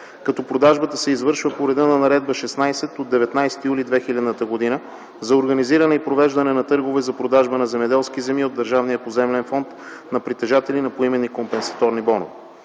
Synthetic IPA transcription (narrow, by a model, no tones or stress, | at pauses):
kɐt̪ɔpɾod̪aʒbət̪əsɛizvɤɾʃvəpoɾɛd̪ənɐnɐɾɛd̪̚bəʃɛsnajsɛt̪od̪ːɛvɛt̪najsɛ̥t̪ijulid̪vɛxilʲɛɐd̪nət̪əɡod̪inə | zɐoɾɡɐniziɾɐnɛipɾovɛʒd̪ɐnɛnɐt̪ɤɾɡovɛzɐpɾod̪aʒbənɐzɛmɛd̪ɛlˠskizɛmiod̪əɾʒavnijəpozɛmlɛnfɔnt̪ | nɐpɾit̪ɛʒat̪ɛlinɐpoimɛnikompɛnsɐ̥t̪ɔɾnibɔno̰v